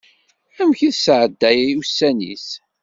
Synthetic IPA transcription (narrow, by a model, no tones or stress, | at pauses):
æmçiðsʕəd̪ːæjæjusːænḭs